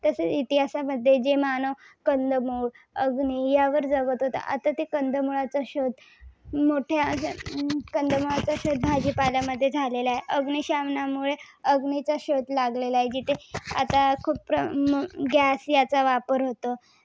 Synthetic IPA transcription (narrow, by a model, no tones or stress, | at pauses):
t̪əsət͡sit̪iɦasaməd̪ʱːjed͡ʑemanəʋ | kənd̪əmuːɭ | əɡnijaʋəɾd͡zəɡət̪ɦot̪a̰ʔat̪at̪ekənd̪ʱəmuɭat͡saɕod̪ | moʈʰja | kənd̪ʱəmuɭat͡saɕod̪̚bʱad͡ʑiːpaljaməd̪ʱːjed͡zʱalelaɦeʔəɡniɕamnamuɭe | əɡnit͡saɕod̪laɡlelaed͡ʑit̪ʰea̰t̪akʰuːp̚pɾəɡasjat͡saʋapəɾɦot̪o